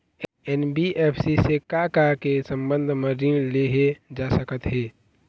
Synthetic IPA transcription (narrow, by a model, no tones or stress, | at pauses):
ɛnbiʔeːpʰsisekakakesə̃mbə̃nd̪ʱməɾileɦed͡ʒasəkət̪ɦɛː